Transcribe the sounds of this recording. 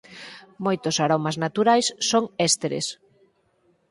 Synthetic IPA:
mojt̪osaɾomaznat̪uɾajsːoŋɛst̪eɾḛs

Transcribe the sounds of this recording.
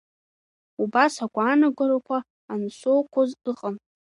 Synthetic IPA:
ubasakʷʼaːnaɡʷɨɾakʷʰaː | nsʷokʷʰozɨqʼən

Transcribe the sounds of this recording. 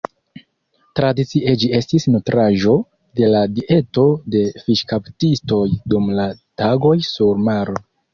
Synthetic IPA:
tɾadit͡siʔed͡ʒie̞stisnutɾaʒo̞ | de̞ladiʔe̞to̞de̞fiʃkaptisto̞jdumlataɡo̞jsuɾmaɾo

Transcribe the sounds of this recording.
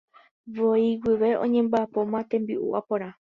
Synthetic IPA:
ʋoiwiʋe̞õ̰ɲẽ̞mbaːpo̞mãt̪ẽ̞mbiʔṵʔapoɾã

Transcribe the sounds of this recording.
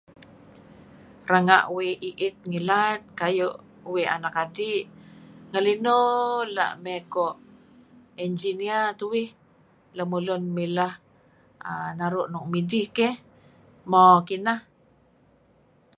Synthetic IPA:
raŋa̰ʔuwiiʔɪt̪̚ŋilat̪̚kajoʔ | uwia̰nakadiʔŋəlinola̰ʔmɛkɔʔ | ind͡ʒiniat̪uwɪh | lamulʊnmilah | anaɾuʔnuŋmidihkɛh | mɔkinah

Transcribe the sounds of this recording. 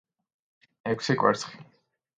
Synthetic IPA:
ɛkʰsikʼwɛ̰ɾsʰχi̥

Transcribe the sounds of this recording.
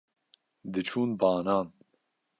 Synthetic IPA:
d̪ɨt͡ʃʰuːnbɑːnɑːn

